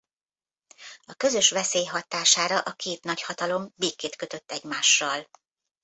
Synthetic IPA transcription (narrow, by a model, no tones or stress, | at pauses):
ɒkø̞zø̞ʃʋɛseːjɦɒt̪aːʃaːɾɒʔɒkeːt̪nɒchɒt̪ɒlo̞mbeːkːeːt̪kø̞t̪ø̞t̪ːɛɟmaːʃːɒl